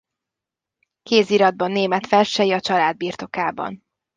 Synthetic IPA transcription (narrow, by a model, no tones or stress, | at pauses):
keːziɾɒd̪̚bɒnːeːmɛt̪fɛlʃɛjiɒt͡ʃɒlaːd̪̚biːrt̪o̞kaːbɒ̰n